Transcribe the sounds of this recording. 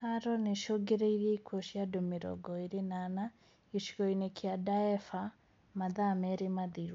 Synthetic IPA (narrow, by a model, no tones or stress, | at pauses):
aɾɔneʃoɡeɾeiɾjeikwoʃiadomeɾɔ̰ɡɔiɾenana | iʃiɣɔinekʰjadaɛfa | maðamɛɾemaðiɾ